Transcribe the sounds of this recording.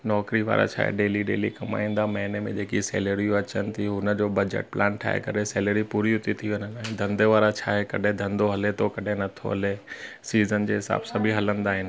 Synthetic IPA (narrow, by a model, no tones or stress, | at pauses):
nɔːkɾiʋa̰ːɾa̰t͡ɕʰa̰ːɦḛɖeːliɖeːlikɐma̰ːĩːn̆d̪amɐɦɪnemẽd͡ʑeːkisḛːləɾiõɐt͡ɕənɪ̆t̪ʰiɦʊnə̆d͡ʑoːbɐd͡ʑḛʈ̚plaːnʈʰa̰ːɦḛkɐɾesɛːləɾipuːɾiɦʊt̪it̪ʰiʋeɲənaːɦɪ̃d̪ʱɐ̃nd̪eʋaːɾat͡ɕʰa̰ːɦekɐɗʱẽd̪ʱɐ̃nd̪oɦɐlet̪ʰokɐɗʱenɐt̪ʰo̰ɦɐ̰lesiːzənd͡ʑeːɦɪsa̰ːbsaɐ̃bʱiɦɐlə̃nd̪aːɦɪnɪ̆